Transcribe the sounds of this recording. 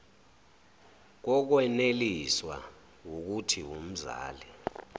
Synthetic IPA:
k̬ɔk̬wɛneliswa̰ | wok̬utʰiwum̩za̰ːlɛ

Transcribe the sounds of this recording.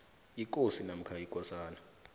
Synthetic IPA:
ik̬ʼosinam̩kʰaikʼɔsaːna

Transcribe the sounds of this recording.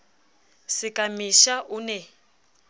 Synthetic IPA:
sɪkʼamiʃaʔunɛ

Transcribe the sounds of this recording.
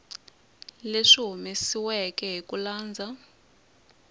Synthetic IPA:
leʂiɦumisiwɛkɛɦikulaːnd͡zʱa

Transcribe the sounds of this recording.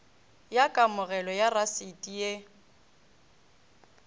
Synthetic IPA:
jakʼamʊɣɛlɔjarasitʼije

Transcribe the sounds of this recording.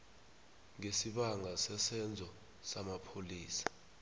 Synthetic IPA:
ŋesiɓaŋasɛsɛnd͡zʱɔ | samapʰoliːsḁ

